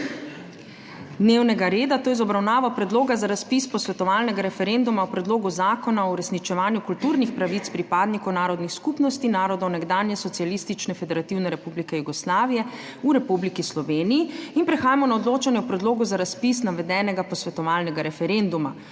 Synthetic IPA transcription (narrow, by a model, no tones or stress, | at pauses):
d̪neːwnɛɡaɾeːd̪at̪oːjzɔbɾawnaːʋapɾɛd̪loːɡazaɾaspispɔsʋɛt̪ɔʋaːlnɛɡaɾɛfɛɾend̪umaɔpɾɛd̪loːɡuzaːkɔnaɔuɾɛsnit͡ʃɛʋaːnjukult̪uːɾnixpɾaʋit̪spɾipaːd̪nikɔwnaːɾɔd̪nixskupnɔst̪inaːɾɔd̪ɔwnɛɡd̪aːnjɛsɔt̪sijalist̪it͡ʃnɛfɛd̪ɛɾat̪iwnɛɾɛpublikɛjuɡɔslaːʋijɛuɾɛpublikislɔʋeːnijiinpɾɛxaːjamɔnaɔd̪loːt͡ʃanjɛɔpɾɛd̪loːɡuzaɾaspis̬naʋɛd̪ɛːnɛɡapɔsʋɛt̪ɔʋaːlnɛɡaɾɛfɛɾend̪uma